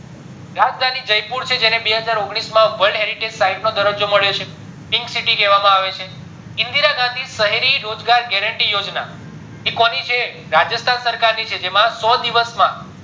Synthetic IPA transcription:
ɾad͡ʒd̪ʱanid͡ʒəjpuɾt͡ʃʰed͡ʒenebeɦəd͡ʒaɾoɡɽ̃ismãʋəɭɖɦeɾiʈed͡ʒsaiʈnod̪əɾəd͡ʒoməɭjot͡ʃʰe | piŋksiʈikɛʋamãaʋet͡ʃʰe | ɪ̃nd̪iɾaɡãnd̪ʱisəɦeɾiɾod͡ʒɡaɾɡɛɾəɳʈijod͡ʒna | kikɔnit͡ʃʰe | ɾad͡ʒəst̪ʰansəɾkaɾnit͡ʃʰed͡ʒemãsɔd̪iʋəsmã

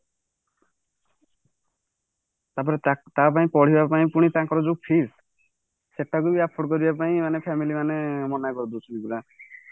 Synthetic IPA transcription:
t̪ap̬ɔɾet̪ap̬aĩpɔɽ̤ibapaĩpuɽ̃it̪ãŋkɔɾɔd͡ʒupʰis | seʈːaɡubiapʰoɽkɔɾibapaĩmanepʰamilimanemɔnakɔɾd̪ut͡ʃʰuibula

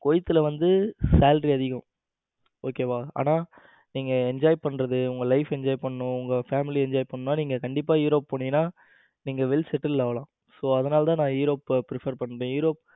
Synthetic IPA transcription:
kɔjɪt̪ːɯlɐʋɐnd̪ɯsaːlɾiɐðɪɣɐ̃ | oːkeːʋaːa̰ːnaː | niːŋɡɐɛɲd͡ʒaːjpɐɳːɾɐðɯʊŋɡɐlɐɪfɛɲd͡ʒaːjpɐɳːʊ̃ʊŋɡɐfaːmɪliɛɲd͡ʒaːjpɐɳːnːaːniːŋɡɐkɐɳɖɪp̬ːaːjuːɾoːpːɐɳːɪːnaː | niːŋɡɐʋɛlsɛʈːɐllaːʋɐlãː | soːɐðɐnaːlɐt̪ãːnãːjuːɾoːpːpːɾɪfɐɾpɐɳːɾẽːjʊːɾoːp̚

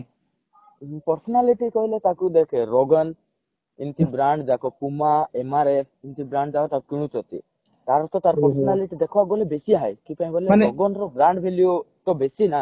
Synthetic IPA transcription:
pɔɾsɔnaliʈikɔɦilet̪akud̪ekʰeɾɔɡɔn | int̪ibɾaɳɖd͡ʒakɔkumaemaɾep̚ʰint̪ʰibɾaɳɖd͡ʒakɔt̪akukiɽ̃ut̪ɔt̪ḭ | t̪aɾɔt̪ɔt̪aɾpɔɾsɔɔnaliʈid̪ekʰɔaɡolebesiaɦajkipãĩɡɔlenɔɡɔnɾɔbɾaɳɖbʱelio | t̪ɔbesina

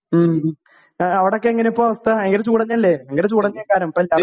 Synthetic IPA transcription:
ɐʋiɽeok̬ːeeŋːɐnejupːoːɐʋɐst̪ʰɐeŋːɡɐnet͡ɕuːɽɐnːiɐlːeeŋɡɐnet͡ɕuːɽɐnɲːɐjɐkaːɾɐmpːɐla

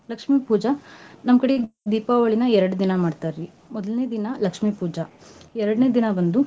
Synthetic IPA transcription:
lɐkʂmiːpuːd͡ʒanɐmɐkɐɽed̪iːpaːʋɐɭinɐɛɾɐɽud̪inɐmaːɖt̪aːɾʋi | mɔd̪ɐlneːd̪inɐlɐkʂmiːpuːd͡ʒaɛɾɐɽneːd̪inɐbɐnd̪u

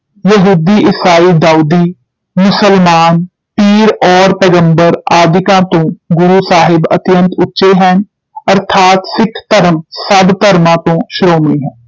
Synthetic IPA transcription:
jəɦuːd̪iːʔɪsaːiːd̪aːuːd̪iː | mʊsəlmaːn | piːɾɔːɾpɛːɡə̃mbəɾaːd̪ɪkãːt̪õːɡʊɾuːsaːɦɪbə̰t̪jə̃nt̪ʰʊtːʃeɦɛ̃ːn | əɾt̪ʰaːt̪sɪkʰːt̪əɾəmsəbt̪əɾmãːt̪õːʃɾoːmɽiːɦɛ̃ː

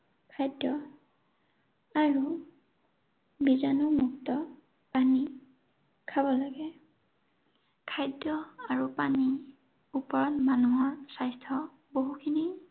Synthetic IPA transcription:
kʰajdːɔ | aɹu | bizanɔmuk̚tɔ | pani | kʰabɔlaɡɛ | kʰajdːɔaɹupani | upɔɹɔtmanuɦɔɹsajstʰɔ | boɦukʰini

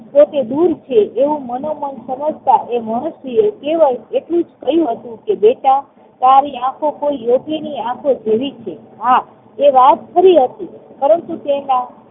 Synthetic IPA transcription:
pot̪ed̪uɾt͡ʃʰeʔeʋũmənomənsəməd͡ʒʱt̪aʔeməɳəsijekeʋəjeʈlũd͡ʒkəjũɦət̪ũkebeʈa | t̪aɾiãkʰokoijoɡeniãkʰod͡ʒeʋit͡ʃʰe | ɦa | eʋat̪kəɾiɦət̪ipəɾəɳt̪ut̪enã

